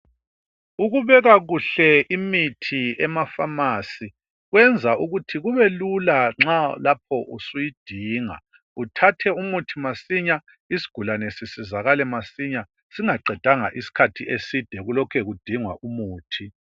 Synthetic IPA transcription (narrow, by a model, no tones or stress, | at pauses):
uɣuβɛɣaɣuɬɛʔimitʰiɛmafamasi | ɣwɛnd͡zʱaʔuɣutʰiɣuβɛlulaŋ͡ǁalap̚ʰɔʔṵsujid̥ʱiːŋa̰ | utʰatʰɛumutʰimasiɲa | isi̥ɡ̥ʱulanɛsisizaɣalɛmasiɲa | siŋaǃʱɛd̥ʱaŋa̰ʔisi̥kʰatʰiʔesid̥ʱɛɣulɔkʰɛɣud̥ʱiŋwa̰ʔumuːtʰi